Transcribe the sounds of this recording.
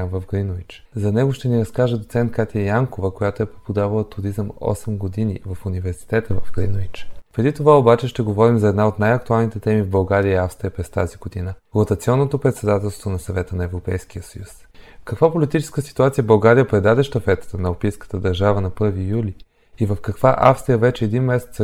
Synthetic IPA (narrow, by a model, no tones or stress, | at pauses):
vɐvɡɾinovit͡ʃ | zɐnɛɡoʃt̪ɛniɾɐskaʒəd̪ot̪sɛnt̪̚kat̪iəjaŋkovəkojat̪oɛpɾɛpod̪avəlˠət̪uɾizəmɔ̰sɛmɡod̪inḭvɐfunivɛɾsi̥t̪ɛt̪əvɐvɡɾinovit͡ʃpɾɛd̪it̪ovaobat͡ʃɛʃt̪ɛɡovɔɾimzɐɛd̪naot̪najɐk̚t̪ualˠnit̪ɛt̪ɛmivbɐlˠɡaɾiəiafst̪ɾiəpɾɛst̪aziɡod̪inəɾot̪ət̪sʲiɔnːot̪opɾɛt̪sɛd̪at̪ɛlˠst̪vonɐsɐvɛt̪ənɐɛvɾopɛjskiəsɐjus | kɐkvapolit̪it͡ʃɛ̥skəsi̥t̪uat̪sijəbɐlˠɡaɾijəpɾɛd̪ad̪ɛʃt̪əfɛt̪ə̥t̪ənɐopijskə̥t̪əd̪ɐɾʒavənɐpɤɾvijuli | ivəfkɐkvaʔa̰fst̪ɾijəvɛt͡ʃɛːd̪inmɛsɛt̪s